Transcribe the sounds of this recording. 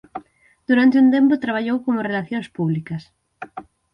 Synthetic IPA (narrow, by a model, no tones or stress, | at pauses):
d̪̥uɾant̪ɪunt̪empot̪ɾaβ̞aʎowkomorelaθjoŋspuβlikɐs